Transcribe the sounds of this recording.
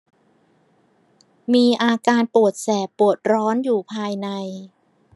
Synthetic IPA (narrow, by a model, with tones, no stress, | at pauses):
miː˧ʔaː˧kaː˧npu˨˩ət̪̚sɛː˨˩pːu˨˩ət̪̚ɾɔː˦˥njuː˨˩pʰaː˧jna˧j